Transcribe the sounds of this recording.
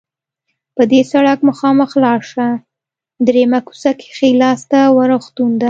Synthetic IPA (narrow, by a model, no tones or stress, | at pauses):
pəd̪esaɽakməxɑməxlɑɾʃa | d̪ɾemaku̥sake̥xelɑst̪awəɾoxt̪und̪a